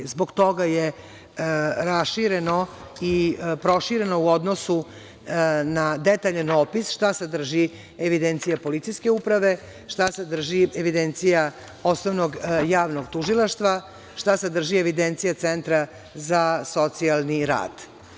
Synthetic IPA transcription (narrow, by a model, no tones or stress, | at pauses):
zboɡt̪o̞ɡaje | ɾasʃiɾeno | ipɾo̞ʃiɾe̞no̞uod̪nosu | nad̪et̪aʎenopisʃt̪ased̪r̩ʒi | eʋid̪ent̪sijapo̞lit̪sijske̞upɾaʋe̞ | ʃt̪ased̪r̩ʒieʋid̪ent̪sija | o̞snoʋnoɡjaːʋnoɡt̪uʒilˠaʃt̪ʋa | ʃt̪ased̪r̩ʒieʋid̪ent̪sijat̪sent̪ɾa | zaso̞t̪sialˠniɾa̰ːd̪̥